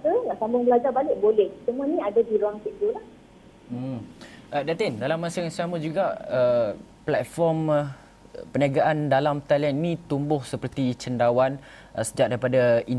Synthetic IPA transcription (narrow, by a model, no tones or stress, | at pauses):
kəlaʔsambʊŋbəlad͡ʒarbalɪʔbolɛhsəmũanĩadadiɾuaŋt̪iʔ̚t̪ulah̩ | ʔədat̪ɪndalamːãsəŋasaməd͡ʒuɡaə | plat̪̚fɔrm | pəniaɡaʔandalamt̪alɛnnĩt̪umbʊhsəpərt̪it͡ʃəndawan | əsəd͡ʒaʔ̚daɾipadai